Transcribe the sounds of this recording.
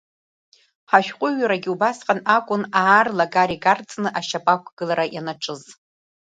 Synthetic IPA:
ħaʃᶣqʷʼʊɥaɾaɡʲiubasqʼanakʷʼʊnaːrlaɡaɾiɡart͡sʼnɨʔaʃapʼakʷʰɡ̥ɨlaɾajanaʈ͡ʂʰʼɨz

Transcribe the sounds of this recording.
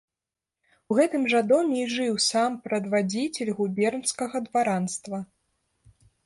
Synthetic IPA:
uɣɛt̪ɨmʐɐd̪ɔmʲɛiʐɨwsampɾɐd̪vad͡zʲit͡sʲɛlʲɣubʲɛrnskɐɣɐd̪vaɾanst̪vɐ

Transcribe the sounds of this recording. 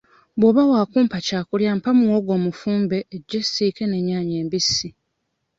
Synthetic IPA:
bwoβawaːkuːmpacaːkuljaːmpamuwoːɡo̞ːmufuːmbe̞ːɟːesiːke̞ne̞ɲːaːɲeːmbisːi

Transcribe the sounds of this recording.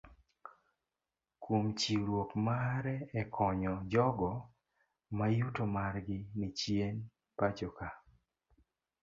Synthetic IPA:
komt͡ʃiɾwokmaɾɛɛkʰɔɲɔd͡ʒɔɡɔ | majutomarɡɪnit͡ʃjen | pad͡ʒoka

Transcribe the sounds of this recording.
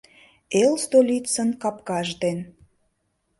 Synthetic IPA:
elst̪olʲit͡sə̆nkɑpkɑʒd̪en

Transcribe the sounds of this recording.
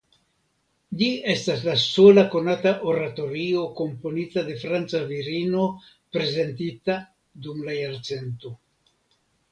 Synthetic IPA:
ʎie̞staslasolako̞nataʔoɾat̪o̞ɾio̞ko̞mpo̞nitad̪e̞fɾant͡saviɾino̞ | pɾe̞ze̞ntit̪a | d̪umlajaɾt͡se̞nto̞

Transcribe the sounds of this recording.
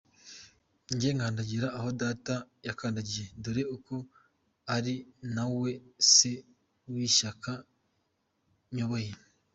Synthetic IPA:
ɲɟeŋaːndaɟiɾaʔːho̞daːtajakaːndaɟijenduɾeuko̞ | aɾinawe̞se̞ | wiʃaka | ɲo̞βo̞je̞

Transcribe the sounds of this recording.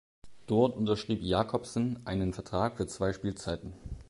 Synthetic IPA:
d̥ɔɐtʔʊntɐʃʁ̥iːpjaːkʰɔpsnʔaɪnənfɛɐtʁ̥aːkfyːɐt͡sv̥aɪʃpiːlt͡saɪtn̩

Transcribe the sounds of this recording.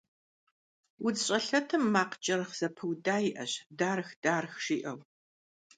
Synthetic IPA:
wʊd͡zɕʼɐɬɐtʰɨmːaːqd͡ʒʼɐrɨχz̥ɐpʰɨwdaːjɪʔɐɕdaːrɨxd̥aːrxʂiːʔɐw

